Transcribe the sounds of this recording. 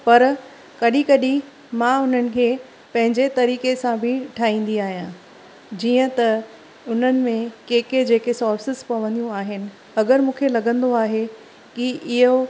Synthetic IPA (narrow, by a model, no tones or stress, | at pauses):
pɐɾ | kɐɗikɐɗi | mãʊn̤ənɪ̆kʰeː | pɐ̃ɦɪ̃ɲd͡ʑet̪ɐɾiːkesãbʱɪʈʰaːɦĩːn̆d̪iaːɦijã | d͡ʑiːə̃t̪ɐ | ʊn̤ənɪ̆mẽkeːked͡ʑeːkesɔːɾfɪsɪzpɐʋə̃nd̪ijũaːɦɪnɪ̆ | ɐɡəɾmũːkʰelɐɠə̃nd̪oaːɦe | kiɪɦo